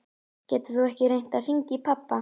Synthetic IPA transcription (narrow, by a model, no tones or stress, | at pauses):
cɛːt̪ɪ̥θuɛhcɪɾejn̥t̪aðr̥iɲcɪpʰapːa